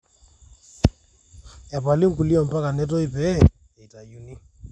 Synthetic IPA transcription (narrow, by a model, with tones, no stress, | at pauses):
ja˨pa˨li˦ŋ̩˦ku˨li˦ɔ˨m̩˨pa˦ka˨nɛ˦t̬ɔ˦i˦pɛ˦ | e˨i˨ta˨ju˨ni˦